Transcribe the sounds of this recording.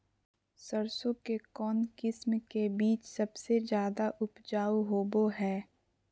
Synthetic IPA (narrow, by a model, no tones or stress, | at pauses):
səɾsõkekɔːnkɪsmkebiːt͡ʃsɐbsed͡ʒjaːd̪aʔʊpd͡ʒaːɦoːboɦɛː